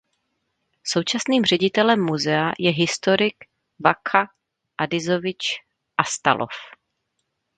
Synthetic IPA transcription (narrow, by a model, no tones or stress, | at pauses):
so̞wt͡ʃasniːmr̝ɛɟɪt̪ɛlɛmːuzɛajɛɦɪst̪oɾɪk | vakʰa | ʔadɪzovɪt͡ʃ | ʔast̪a̰lʔo̰f